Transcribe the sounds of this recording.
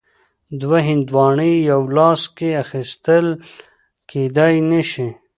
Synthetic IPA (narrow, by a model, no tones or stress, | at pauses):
d̪waɦɪnd̪wɑːɳijɐwlɑːskeaxist̪əl | ked̪ajneʃe